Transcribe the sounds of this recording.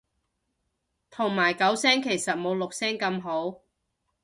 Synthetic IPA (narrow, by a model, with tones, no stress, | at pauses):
t̪ʰʊ˨˩ŋmaː˨˩jkɐ˨˥wsɛː˥ŋkʰe˨˩jsɐ˨t̚mo˨˧wlʊ˨k̚sɛː˥ŋkɐ˧mɦo˨˥w